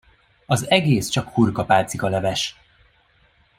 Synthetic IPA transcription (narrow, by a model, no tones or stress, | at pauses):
ɒzɛɡeːst͡ʃɒkhurkɒpaːt̪sikɒlɛvɛʃ